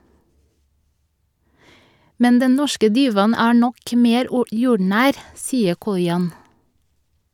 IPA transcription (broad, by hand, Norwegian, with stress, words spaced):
ˈmɛn ˈdɛn ˈnɔʃkə ˈdiːʋɑn ˈæː ˈɳɔk ˈmeːɾ ˈjuːɖɳæːɾ ˈsiːə ˈkɔʏɑn